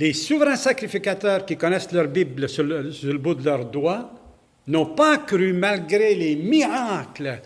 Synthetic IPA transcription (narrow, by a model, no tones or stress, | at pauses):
lesuvʁɛ̃sakʁifikat̪œːʁkʲikɔnɛslœʁbibləsylsyʁləbud̪əlœʁd̪wa | nɔ̃pakʁymalɡʁelemiʁakl